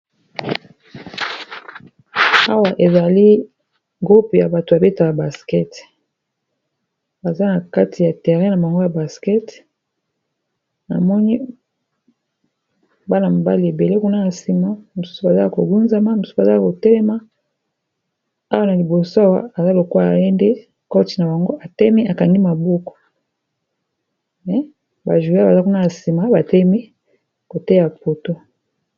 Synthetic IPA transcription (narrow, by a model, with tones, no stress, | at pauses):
a˦wa˨ʔe˨za˨li˦ | ɡʁu˦pja˨ba˨to˨ba˨be˦ta˨a˨ba˨skɛ˦t | ba˨za˦na˨ka˦tʰi˨ja˨tɛ˨ʁɛ̃˦na˨ba˨ŋɡo˦ja˨ba˨skɛ˦t | na̰˨mɔ˦ni˦ | ba˦na˨mo˨ba̰˦li˨e˨be˨le˦ku˦na˦na˨si˨ma˨mo˨su̥˦su˨ba˨za˦˨ko˨ɡu˦nza˦ma˦m˨su˦˨a˨za˦a˦˨ko˨tɛ˦lɛ˦ma˦ | a˦wa˦na˨li˨bo˨so˦a˦wa̰˨a˨za˦lo˨ka˦a̰˨je˦nde˦ | kɔ˦ti̥˨na˨ba˨ŋɡo˦ʔa˨tɛ˦mi˦a˨ka˨ŋɡi˦ma˨bo˦ko̥˨ | mɛ˨ | ba˨ʒu˨˦ba˨za˦ku˦na˦a˨si˨ma˨ba˨tɛ˦mi˦ | ko˨tɛ˦ja˨po˨to˦